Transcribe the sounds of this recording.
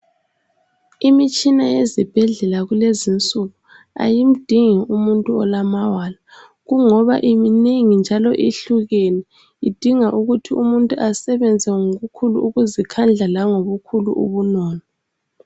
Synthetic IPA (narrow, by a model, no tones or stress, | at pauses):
imit͡ʃʼinajezib̥ʱɛɮɛlaɣulezint͡sʼuɣu | a̰jim̩d̥ʱiŋiumuntʼuɔ̰lamawaːla | ɣuŋɔβa̰ʔimineŋind͡ʒʱalɔ̰ʔiɬuɣɛnɛ | id̥ʱiŋaʔuɣutʰiumuntʼuʔasɛβɛnd͡zʱɛŋoɣukʰulṵːɣuzikʰand͡ɮʱalaŋoβukʰulṵʔṵβunɔːnɔ